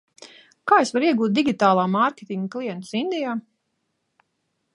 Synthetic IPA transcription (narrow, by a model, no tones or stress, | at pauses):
kaːesvaɾiɛɡuːt̪̚d̪iɡʲit̪aːlˠaːmaɾkʲe̥t̪iŋɡklˠijɛnt̪sind̪ijaː